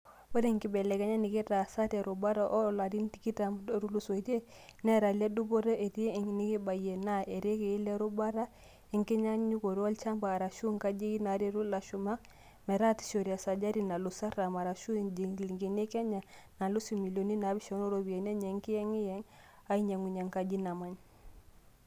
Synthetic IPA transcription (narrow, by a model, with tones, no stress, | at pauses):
bo˦ɾe˦˨ŋki˨bɛ˨lɛ˨kɛ˦ɲa˦nɪ˨kɛ˦ta˨sa˦tɛ˨ɾo˨ba˦ɾa˦ʔɔ˦˨la˨ɾi˦n˦ti˦ki˦ta˨m˦ɾu˦lu˦so˨i˦te˦ | nɛ˦ɾa˨lɛ˦du˦bo˦ɾə˦e˨ti˦˨ni˦ki˦ba˨jɛ˨na˦e˨ɾe˦kɛ˨i˦lɛ˦ɾo˦ba˦ɾa˦ | ɛ˦ŋkɛ˦ɲa˦ɲu˦ko˨ɾwɔ˦lt͡ʃa˦mbaː˨ɾa˨ʃu˦ŋka˦d͡ʒi˦ki˦na˨˦ɾi˦ɾu˦la˨ʃu˨ma˦k | mɛ˨ɾa˦ti̥˨ʃo˨ɾi˨a˨sa˨d͡ʒa˦ɾi˦na˨lu˨sa˦ɾa˨ma˨ɾa˨ʃu˦d͡ʒi˨lŋɡe˨ne˦kɛ˦ɲa˨na˨lu˦si˨mi˨lo˨ni˦na˨˦bi˦ʃɔ˨˦no˦ɾo˦bi˨e˨nɛ˦ɲɛ˨˦ŋki˦jɛ˦ŋi˦jɛ˦ŋ | a˦i˦ɲa˨ŋu˨ɲa˨ŋka˦d͡ʒi˦na˨ma˦ɲ